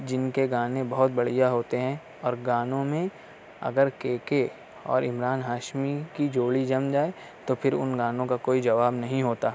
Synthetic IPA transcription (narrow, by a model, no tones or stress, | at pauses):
d͡ʒɪnkeɡãːnẽbɐɦʊt̪̚bɐɽ̤ijaɦoːt̪eɦɛ̃ | ɔːɾɡãːnõmẽ | ɐ̰ɡəɾkeːke | ɔ̰ːɾɪmɾaːnɦaːʃmikid͡ʒoːlid͡ʒɐmd͡ʒaːe | t̪opʰɪɾʊ̰nɡãːnõkakoːid͡ʒɐʋaːbnɐɦĩɦoːt̪aː